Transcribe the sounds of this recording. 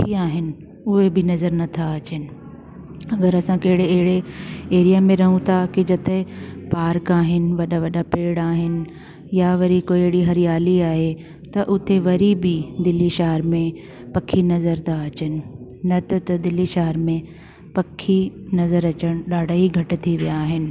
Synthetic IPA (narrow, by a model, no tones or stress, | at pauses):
kʰːiaːɦɪnɪ̆ | ʊɦebɪnɐzəɾnɐt̪ʰaɐt͡ɕənɪ̆ | ɐɡəɾɐsãkɐɦɪɽeːɦɪɽeeːɾijamẽɾɐɦũt̪ʰakɪd͡ʑɐt̪ɪpaːɾkaːɦɪnɪ̆ʋɐɗaʋɐɗapeːɽaːɦɪnɪ̆ | jaʋɐɾikoːiɦɪɽiɦɐɾijaːliaːɦe | t̪ɐʔʊt̪eʋɐɾibɪd̪ɪliʃaɦəɾmẽ | pɐkʰinɐzəɾt̪ʰaɐt͡ɕənɪ̆nɐt̪ɐt̪ɐd̪ɪlːiʃaɦəɾmẽ | pɐkʰːinɐzəɾɐt͡ɕəɽ̃ɗaːɖʱaiɡʱɐʈɪ̆t̪ʰiʋijaːɦɪnɪ̆